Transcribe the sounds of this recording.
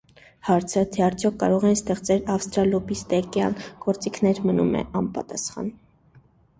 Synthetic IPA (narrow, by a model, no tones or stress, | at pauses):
hɑɾt͡sʰət̪ʰɛɑɾt͡sʰjɔkʰːɑ̰ɾɔʁɛinst̪ɛχt͡sɛlɑfst̪ɾɑlɔbist̪ɛkjɑnɡ̥ɔɾt͡sikʰnɛɾmənumɛ̰ɑnpɑt̪ɑsχɑ̰n